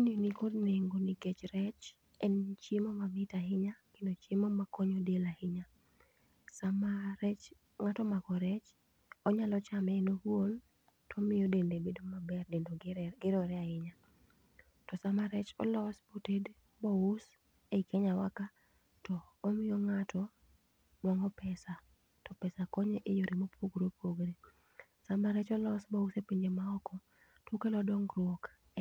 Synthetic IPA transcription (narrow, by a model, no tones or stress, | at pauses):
ininikodneŋɡoniket͡ʃɾɛt͡ʃ | ɛnt͡ʃemomamɪtaɦɪɲakendot͡ʃemomakɔɲodelahɪɲa | samaɾɛt͡ʃ | ŋatɔmakɔɾɛt͡ʃ | ɔɲalɔt͡ʃamɛnohwon | tɔmɪjodendebedomabɛrdedoɡɪɾɔɾɛaɪɲa | tɔsamaɾɛt͡ʃɔ̰lɔsboted | bous | eikʰeɲawaka | tɔːmɪjoŋatɔ | dwɔŋɔpɛsa | tɔpɛsakoɲeʔejoɾʔimopʰoɡɾopʰoɡɾe | samaɾɛt͡ʃɔlɔsbɔusepeɲd͡ʒemaɔkɔ | tokelɔdɔŋɾwok